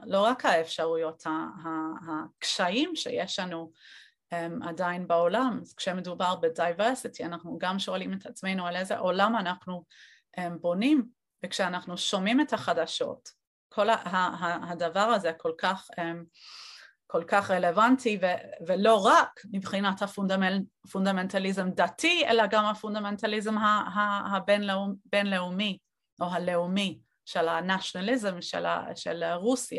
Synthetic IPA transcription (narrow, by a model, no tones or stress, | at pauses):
lo̞ʁakhaefʃaʁujo̞thaɦahakʃaimʃḛjeʃlanu | ʔema̰dainbeo̞lamaz̥kʃeme̞dubaʁbedajveʁsitianaχnuɡamʃo̞alimetat͡sme̞jnualezḛʔo̞lamanaχnu | ʔembo̞nim | vekʃeanaχnuʃo̞mimethaχadaʃo̞̰t | kʰo̞laɦaɦahadavaʁazekʰo̞lkaχem | ko̞lkaχʁele̞vantivevelo̞ʁakmibχinathafundfundame̞ntalizemdatʰiḛlaɡamhafundame̞ntalizemɦaɦahabenlubenle̞umi | ʔo̞ɦale̞umi | ʃelanaʃonalizemʃḛla̰ʃḛlʁusija